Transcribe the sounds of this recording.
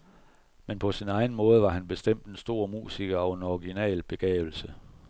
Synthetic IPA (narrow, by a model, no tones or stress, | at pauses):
menpʰɒ̽sinɑ̈ɪn̩mɔ̽ːð̞ˠəʋɑ̈hænb̥e̝sd̥em̰d̥ensd̥o̝̰ːɐ̰mṵːsiɡ̥ɐɒ̽ʊe̝nɒʁiɡ̥inɛ̰ːlb̥e̝ɡ̥ɛ̰ːʊl̩sə